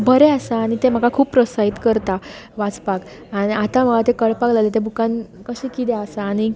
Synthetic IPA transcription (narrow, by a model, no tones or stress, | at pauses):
bʱəɾeasaːɽ̃it̪em̤əkakʰuːppɾɔsaid̪kəɾt̪aʋat͡spak | añiat̪ãm̤əɡat̪ekəɭpaklalet̪ebʱukãnkəɕĩkit̪easaːɽ̃i